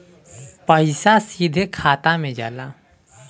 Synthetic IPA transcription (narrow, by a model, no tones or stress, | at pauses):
pəɪsasiːd̪ʱekʰaːt̪amẽd͡ʒa̰ːlaː